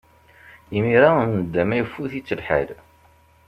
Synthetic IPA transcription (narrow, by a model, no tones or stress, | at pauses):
imiɾanəd̪ːæmæjəfːuθit͡sːəlħə̰l